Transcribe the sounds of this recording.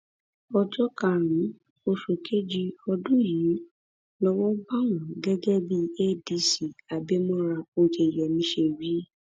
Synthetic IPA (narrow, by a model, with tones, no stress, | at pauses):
ɔ˧d͡ʒɔ˦ka˨ɾ̃ĩ˨˦ | o˧ʃo˨kʰe˦d͡ʒi˧ɔ˧dũ˦jiː˨˦ | lɔ˦wɔ˦ba˦˨w̃ɔ̃˨ɡɛ˦ɡɛ˦bi˦e˦˨di˧si˨a˨be˦mɔ̃˦ɾa˧o˧d͡ʒe˨jɛ˨mĩ˨˧˦ʃe˧˨ɾi˨˦